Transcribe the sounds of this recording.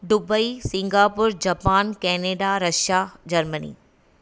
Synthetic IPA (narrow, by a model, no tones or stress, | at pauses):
ɖʊbəisɪ̃ŋɡaːpʊɾd͡ʑɐpaːnkɛːneːɖaɾɐʃjad͡ʑɐɾmənḭː